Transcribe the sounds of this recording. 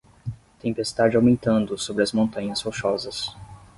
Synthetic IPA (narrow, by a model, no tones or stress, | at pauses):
t̪ẽpest̪ad͡ʒɪawmẽnt̪ɐ̃nd̪ʊsobɾɪɐzmõnt̪ɐ̃ɲɐsfoʃɔzɐs